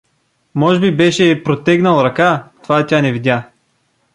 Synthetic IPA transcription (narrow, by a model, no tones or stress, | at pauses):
mɔʒɛbibɛʃɛpɾot̪ɛɡnəlˠɾɐkat̪ovat̪ʲanɛvid̪ʲja